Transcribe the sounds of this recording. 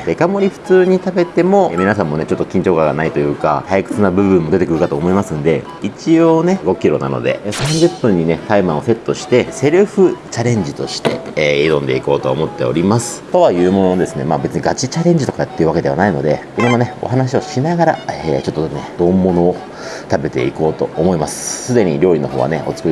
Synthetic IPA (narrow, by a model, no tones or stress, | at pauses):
d̪e̞kamo̞ɾʲiɸɯ̟̥t͡sɨːɲ̟it̪abe̞t̪e̞mo̞mʲinasãmːo̞ne̞t͡ɕo̞t̪ːo̞kʲĩɲ̟t͡ɕo̞ːkaɡanait̪o̞jɯ̟ːka̰hajikɯ̟̥t͡sɨnabɯ̟βɯ̟̃mːo̞d̪e̞t̪e̞kɯɾɯ̟kat̪oːmo̞imasɨ̃nd̪e̞̰ | it͡ɕio̞ːne̞ɡo̞kʲiɾo̞̰na̰no̞̰d̪e̞̰sãŋɡet̪ːoɲ̟ine̞t̪aimãose̞t̪ːo̞ɕi̥t̪e̞se̞ɾɯ̟ɸɯ̟t͡ɕaɾẽ̞ɲ̟d͡ʑit̪o̞̰ɕi̥t̪e̞iɾõ̞nd̪e̞iko̞ːt̪o̞omo̞t̪ːe̞o̞̰ɾʲimasɨ̥t̪o̞βajɯ̟ːmo̞noad̪e̞sɨne̞maːbe̞t͡sɨɲ̟iɡat͡ɕit͡ɕaɾẽ̞ɲ̟d͡ʑit̪o̞kat̪ːeiɯ̟βake̞d̪e̞a̰naino̞d̪e̞ | imonːone̞o̞̰ɦanaɕ̬io̞ɕinaɡaɾa̰et͡ɕo̞t̪ːoned̪o̞mːo̞no̞ː | t̪abe̞t̪e̞̰iko̞ːt̪o̞̰ːmo̞imasɨ̥sɨd̪e̞ɲ̟iɾʲo̞ːɾʲino̞ɦo̞ːβa̰ne̞o̞̰t͡sɨ̥kɯ